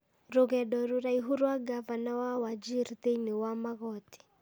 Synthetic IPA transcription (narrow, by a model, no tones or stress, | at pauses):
ɾuɣɛɗɔɾuɾaiɦuɾwaɡavanawawad͡ʒiɾt̪einiwamaɣɔti̥